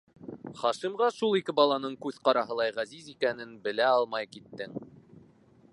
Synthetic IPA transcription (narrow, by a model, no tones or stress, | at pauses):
χɑʃimʁɑʃulˠikɘbɑlˠɑnɤɴkʉðqɑɾɑɦɤ̆lˠɑjʁæzizikænɘnbɘ̆læɑlˠmɑjkit̪ːɘŋ